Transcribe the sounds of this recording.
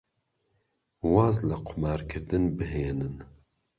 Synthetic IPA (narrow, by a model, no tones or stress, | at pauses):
wɑːzlɐqʰʊmɑːɾkʰɨɾd̪ɨnbɨɦeːnɨn